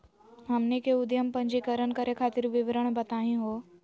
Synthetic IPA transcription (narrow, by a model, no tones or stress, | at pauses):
ɦəmnekeʊd̪jəmpəɲd͡ʒikəɾənkəɾʔekʰaːt̪ɪɾʋɪʋɾəɳ̃bət̪aɦĩɦo